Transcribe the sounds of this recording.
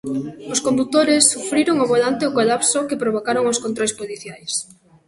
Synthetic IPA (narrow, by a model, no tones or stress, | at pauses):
ʊskombut̪oɾesːufɾiɾoŋoβolant̪eokolapsokepɾoβ̞okaɾoŋʊskont̪ɾojspoliθjajs